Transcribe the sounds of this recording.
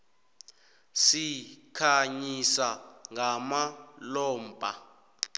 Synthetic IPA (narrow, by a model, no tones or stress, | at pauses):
sikʰaɲisaŋʱamalɔːmbʱʼa